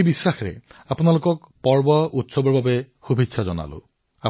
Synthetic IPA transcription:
ebisːaxɹɛ̰apʊnalʊkɔkpɔɹbɔʔutsɔbɔɹbabɛ | xubʱitsʰazɔna̰lʊ̰̃ | a

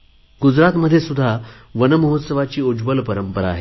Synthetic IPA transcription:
ɡud͡zɾat̪məd̪ʱjesud̪ʱːa | ʋənəməɦot̪səʋat͡ɕiːud͡ʑbəlpəɾəmpəɾaːɦe

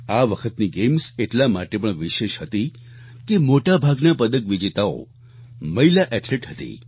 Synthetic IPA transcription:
aʋəkʰət̪niɡemseʈlamaʈepəɳʋiʃeʃhət̪i | kemoʈabʱaɡnapəd̪əkʋid͡ʒet̪ao̰ | məɦilaʔɛʈleʈɦət̪ḭ

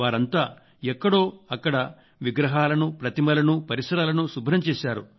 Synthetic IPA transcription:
aːɾɐnt̪aː | ɛkːɐɽo̞ːɐkːɐɽɐ | ʋiɡɾɐɦaːlɐnupɾɐt̪imɐlɐnupɐɾisɐɾaːlɐnusubʱɾɐmt͡ʃeːʃaːɾu

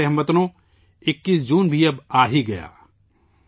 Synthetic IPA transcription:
eɦɐmbɐt̪nõ | ɪkːiːsd͡ʒuːnbʱiɐbaːɦiɡɐja̰ː

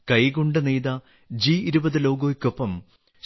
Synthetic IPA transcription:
kɐjɣoɳɖɨnejd̪ɐ | d͡ʑiiɾubɐðɨlo̞ːɡoːkʲːopːɐm

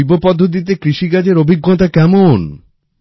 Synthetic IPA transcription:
ibopɔd̪ʱːot̪̬it̪̬ekɾiʃiɡad͡ʑeɾobʱiɡːot̪akɛmon

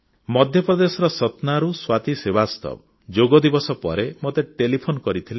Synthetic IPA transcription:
mɔd̪ʱjɔpɾɔd̪esɔɾɔsɔt̪naɾuswat̪isebast̪ɔ̰bɔ | d͡ʒoɡɔd̪ibɔsɔpɔ̰ɾemot̪eʈelipʰonɔkɔɾit̪ʰile

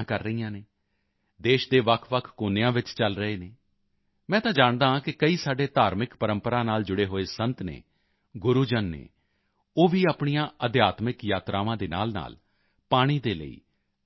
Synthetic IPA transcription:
kəɾːəiːãːneː | d̪eːʃd̪eːʋəkʰʋəkʰkoːneãːʋɪt͡ʃt͡ʃəlɾəeːneː | mɛ̃ːt̪ãːd͡ʒaːɳd̪ãːkɪkəiːsaːɖeːt̪aːɾmɪkpəɾəmpəɾaːnaːld͡ʒʊɽeːɦoːeːsənt̪nḛː | ɡʊɾuːd͡ʒənːḛː | oːʋiːaːpɳijãːʔəd̪jaːt̪mɪkjaːt̪ɾaːʋãːd̪eːna̰ːlna̰ːl | paːɽ̃iːd̪eːlə̰ḭː

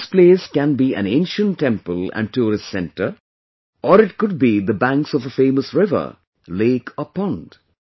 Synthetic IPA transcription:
spleːskæ̃nbiæ̰̃nẽɪ̃nʃə̃nʈːɛ̃mpəlæ̰̃nɖʈuːɾɪssɛ̃nʈə | ʔɔɾɪʈ̚kʊd̚bid̪əbæ̃ŋksɔvəfẽːməsɹɪvə̰˞ | leːkʰɔpɔ̃nd̥

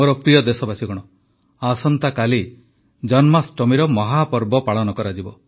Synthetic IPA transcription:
oɾɔpɾijɔd̪esɔbasiɡɔɽ̃ɔ | asɔnt̪akali | d͡ʒɔnmasʈɔmiɾɔmɔɦapɔɾbɔpaɭɔnɔkɔɾad͡ʒibɔ

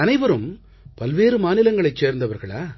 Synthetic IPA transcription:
ɐnɐɪbɐɾɯm | pɐlʋeːɾɯmaːnɪlɐŋɡɐɭɐɪt͡ʃseːɾnd̪ɐʋɐɾɣɐɭaː

